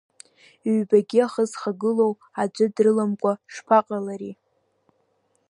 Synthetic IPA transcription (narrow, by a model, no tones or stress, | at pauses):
ɥbaɡʲiaχəzχaɡɨlow | ad͡ʒʷɨdrɨlamkʷʼaʂpʰaqʼalaɾi